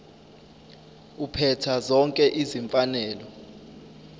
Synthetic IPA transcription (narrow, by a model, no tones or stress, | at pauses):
upʰɛtʰazɔŋkʼɛʔiziɱfanɛːlɔ